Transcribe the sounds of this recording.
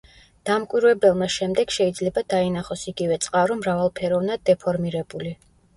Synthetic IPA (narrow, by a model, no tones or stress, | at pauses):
d̪̥amkʼwiɾwɛbɛlˠmaʃɛmd̪ɛɡ̥ʃɛid̪zlɛbad̪ainaχɔsiɡivɛt̪sʼqʼaɾɔmɾavalˠpʰɛɾɔvnad̪̚ːɛpʰɔɾmiɾɛbuli